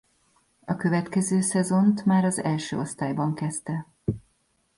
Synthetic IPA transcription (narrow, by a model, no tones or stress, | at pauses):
ɒkø̞vɛt̪kɛzøːsɛzo̞nt̪maːɾɒzɛ̰lʃø̰ːost̪aːjbɒŋkɛst̪ɛ